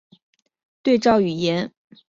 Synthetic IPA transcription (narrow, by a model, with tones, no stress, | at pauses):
t̪we˥˧ɪʈ͡ʂɑ˥˩ʊy˨˩jɛ˧˥n